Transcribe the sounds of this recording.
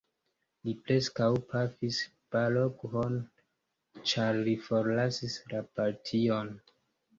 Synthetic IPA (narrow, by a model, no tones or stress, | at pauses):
lipɾe̞skawpʰafis | palokɦon | t͡ʃaɾlifoɾlasislapaɾtʰio̞n